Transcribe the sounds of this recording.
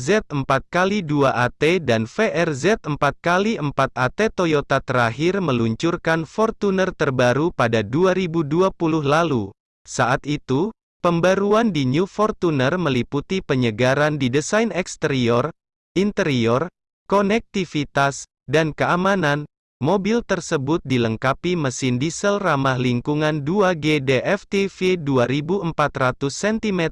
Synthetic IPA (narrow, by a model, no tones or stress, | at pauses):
zɛt̪̚əmpat̪̚kaliduaʔat̪edanfeʔɛrzɛt̪̚əmpat̪̚kaliʔəmpat̪̚at̪et̪ojot̪at̪əɾaɦirməluɲt͡ʃurkanfɔrt̪unərt̪ərbaɾupadaduaɾibuduapuluhlalu | saʔat̪it̪u | pəmbaɾuandiɲufɔrt̪unərməliput̪ipəɲəɡaɾandidəsajnɛkst̪əɾiɔr | int̪əɾiɔr | kɔnɛk̚t̪ifit̪as | dankəamanan | mobilt̪ərsəbʊt̪̚diləŋkapiməsɪndisəlramahliŋkuŋanduaɡedeʔɛft̪efeduaɾibuəmpat̪rat̪usːɛnt̪imɛt̪